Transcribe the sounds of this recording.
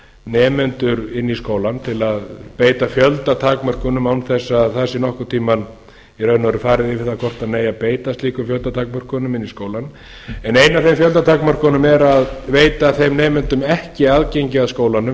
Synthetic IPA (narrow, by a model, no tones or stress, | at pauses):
nɛːmɛnt̪ʏɾɪnːiskoːwlant̪ʰɪlaðpeːjt̪afjœlt̪at̪ʰaːkmœr̥kʏnʏmawnθɛsːaðθasɪnɔhkʏ̥t̪ʰiːman | iɾœːɥnɔɾʏfaːɾɪðɪvɪθakʰɔr̥t̪aðneːjapeːjt̪ast̪liːkʏfjœlt̪at̪ʰaːk̚mœr̥kʏnʏmɪnːiskoːwlan | ɛnejnavθejmfjœlt̪at̪ʰaːkmœr̥kʏnʏmɛɾaðveːjt̪aθejmnɛːmɛnt̪ʏmɛhcɪaðcejɲcɪaðskoːwlanʏ